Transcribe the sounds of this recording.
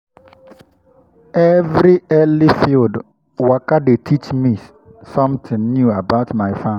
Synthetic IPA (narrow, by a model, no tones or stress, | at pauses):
ɛvɾiɛlifild | wakadetʰit͡ʃmĩs | sɔ̃mt̪ʰɪ̃ŋnjuabaʊtmaɪfã